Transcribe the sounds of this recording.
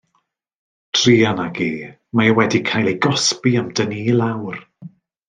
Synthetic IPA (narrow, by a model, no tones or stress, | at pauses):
tʰriːanaɡiː | majawɛdikʰajlˠejɡɔspiamdəniːlˠawr